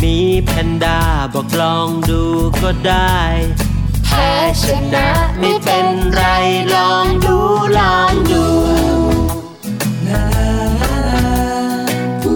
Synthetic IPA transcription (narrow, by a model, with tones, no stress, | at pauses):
miː˧˥pʰɛ˧ndaː˧˩bɔː˨˩klɔː˧ŋduː˧kɔː˥˩daː˥˩j | t̪ʰa˧˩t͡ɕʰa˧nna˦˥˦ma˥˩˥jpe˧nkɾa˧jjlɔː˧ŋduː˧lɔː˧˩ŋduː˧